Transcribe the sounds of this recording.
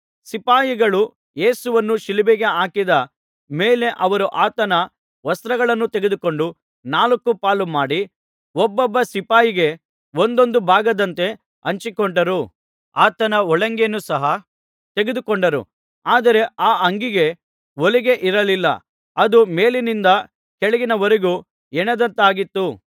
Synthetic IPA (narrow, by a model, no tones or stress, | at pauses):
sipaːjiɡɐɭu | je̞ːsuʋɐnːuʃilibɛɡe̞aːkid̪ɐ | meːle̞ʔɐʋɐɾuʔaːt̪ɐnɐ | ʋɐst̪ɾɐɡɐɭɐnːut̪eɡe̞d̪uko̞ɳɖu | naːlɐkːupaːlumaːɽi | ɔbːɔbːɐsipaːjiɡe̞ | ond̪o̞nd̪ubʱaːɡɐd̪ɐnt̪e̞ | ɐɲt͡ʃikoɳɖɐɾu | aːt̪ɐnɐɔɭɐŋɡenusɐɦɐ | t̪e̞ɡed̪ukoɳɖɐɾṵ | aːd̪ɐɾe̞aːɐŋɡiɡe̞ | oliɡe̞ʔiɾɐlilːɐ̰ | ɐd̪umeːlinind̪ɐ | kɛɭɛɡinɐʋɐɾeɡu | ɛnɛd̪ɐnt̪aːɡit̪ːu